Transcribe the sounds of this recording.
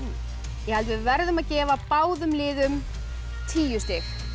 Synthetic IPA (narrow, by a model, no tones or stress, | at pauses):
jɛhalt̪vɪvɛɾðʏmaðcɛːvapaːwðʏmlɪːðʏm | t̪ʰiːjʏst̪ɪx